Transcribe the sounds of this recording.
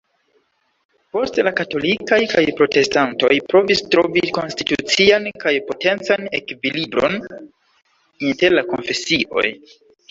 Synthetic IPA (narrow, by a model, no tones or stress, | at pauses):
po̞stlakato̞likajkajpɾo̞te̞stanto̞̰jpɾo̞vistɾo̞viko̞nsti̥tut͡siankajpo̞te̞nt͡sane̞kvilibɾo̞̰n | inte̞ɾlako̞̰nfe̞siʔo̞̰j